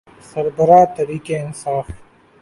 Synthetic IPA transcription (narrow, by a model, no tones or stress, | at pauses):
sɐɾbɐɾaːt̪ɐɾiːkeɪnsaːf